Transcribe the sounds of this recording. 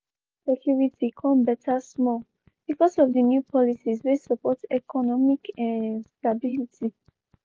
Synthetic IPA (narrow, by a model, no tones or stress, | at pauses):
sɛkʰjuɹitʰikʰɔ̃mbɛtʰasmɔl | b̥ikɔsɔvdənjupʰɔlisiswisəpɔtɛkʰɔnɔmikʰãnstabilitʰi